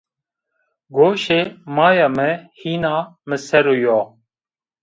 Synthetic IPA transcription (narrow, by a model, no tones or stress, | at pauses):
ɡoːʃeːmaːjaːmeːhiːnaːmeseɾoːjoː